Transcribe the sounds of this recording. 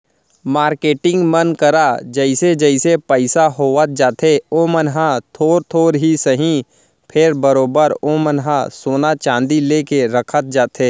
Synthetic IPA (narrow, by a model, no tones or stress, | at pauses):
maːɾkeːʈɪ̃ŋɡmənkəɾad͡ʒəɪsed͡ʒəɪsepəɪsaɦoːət̪̚d͡ʒaːt̪ʰeoːmənɦat̪ʰoːɾt̪ʰoːɾɦisəɦĩ | pʰɪɾbəɾoːbəɾomənɦasoːnat͡ʃãːnd̪ileːkeɾəkʰət̪̚d͡ʒaːt̪eː